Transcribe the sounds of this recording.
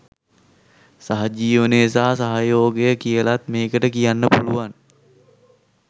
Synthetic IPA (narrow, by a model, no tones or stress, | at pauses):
saɦad͡ʒiːʋəneːsaːsaɦajoːɡejəkijəlat̪̚meːkəʈəkijanːəpuluʋan